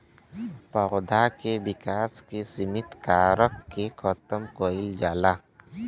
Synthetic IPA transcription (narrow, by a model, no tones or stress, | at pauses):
pəɣd̪ʱakebɪkaːskesɪmɪt̪kaːɾəkːekɔːt̪əmkoːɪld͡ʒaːlaː